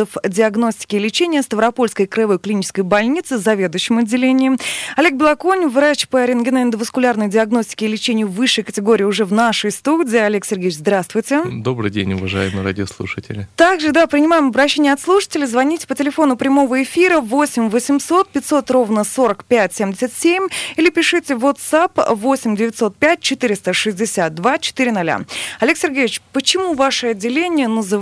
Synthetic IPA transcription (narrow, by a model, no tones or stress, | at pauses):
əfdʲɪɐɡno̞sʲtʲɪ̥kʲɪlʲɪt͡ɕenʲɪjəst̪əvɾɐpo̞lʲskəjkɾəjɪvo̞jklʲɪnʲit͡ɕɪskəjbɐlʲnʲit̪sɨzɐvʲe̞d̪ʊjɕːɪmɐdʲːɪlʲenʲɪɪɐlʲe̞k̚bʲɪlˠɐkonʲvɾat͡ɕpəɐɾʲɪnɡʲɪnaɪnd̪əvəskʊlʲarnəjdʲɪɐɡno̞sʲtʲɪ̥kʲɪlʲɪt͡ɕenʲɪjʊvɨʂːɨjkətʲɪɡo̞ɾʲɪːʊʐɛvnaʂəjst̪udʲɪːɐlʲe̞ksʲɪrɡʲejʲɪt͡ɕzd̪ɾast̪vʊjtʲɪd̪o̞bɾɨ̰dʲenʲʊvɐʐa̰jɪmɨɾa̰dʲɪoslˠṵʂɨtʲɪ̰lʲɪt̪aɡʐɨd̪apɾʲɪnʲɪmajɪmɐbɾɐɕːenʲɪjəɐt̪slˠuʂə̥tʲɪlʲɪzvɐnʲitʲɪ̥pətʲɪlʲɪfo̞nʊpɾʲɪmo̞vəɪfʲiɾəvo̞sʲɪmʲvəsʲɪmso̞t̪̚pʲɪtʲso̞t̪ro̞vnəso̞ɾəkpʲætʲsʲemdʲɪsʲɪt̪sʲemʲilʲɪpʲɪʂɨtʲɪvot̪sapvo̞sʲɪmʲdʲɪvʲɪtʲso̞t̪̚pʲæt̚ʲt͡ɕɪt̪ɨɾʲɪst̪əʂɨzʲdʲɪsʲat̪̚d̪vat͡ɕɪ̥t̪ɨɾʲɪnɐlʲa̰ɐlʲe̞ksʲɪrɡʲejʲɪt͡ɕpət͡ɕɪmuvaʂɨɐdʲːɪlʲenʲɪjənəzɨ